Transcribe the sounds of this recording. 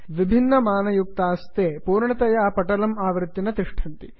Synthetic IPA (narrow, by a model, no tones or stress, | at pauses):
ʋibʱinːɐmaːnɐjuk̚t̪aːst̪eːpuːɾɳɐt̪ɐjaːpɐʈɐlɐmaːʋɾɪt̪ːinɐt̪iʂʈʰɐnt̪i